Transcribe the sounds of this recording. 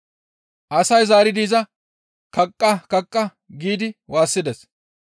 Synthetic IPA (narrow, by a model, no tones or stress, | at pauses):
ʔɐsɐjzaːɾɪd̪iːzɐ | kɐkʼːɐkɐkʼːɐ | ɡiːd̪ɪwaːsːɪd̪ɛs